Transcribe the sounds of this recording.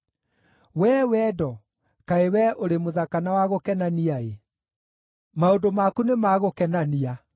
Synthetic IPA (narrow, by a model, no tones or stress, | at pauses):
wɛwɛdɔ | kaewɛoɾemoðakanawaɣokɛnaniae | maondomakunemaɣokɛnania